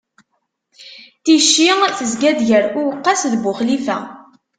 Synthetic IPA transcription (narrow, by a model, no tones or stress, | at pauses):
t̪iʃːiθəzɡæðʝəɾʊwəqːɑsðbʊχlifæ